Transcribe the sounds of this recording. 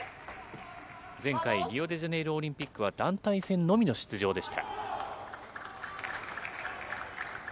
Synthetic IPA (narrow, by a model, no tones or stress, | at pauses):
d͡zẽ̞ŋkaiɾʲijo̞d̪e̞ʑane̞iɾɯ̟o̞ɾʲĩmpʲikːɯ̟β̞ad̪ãnt̪aisẽ̞nːo̞mʲino̞ɕi̥t͡sɨʑo̞ːd̪e̞ɕi̥t̪a̰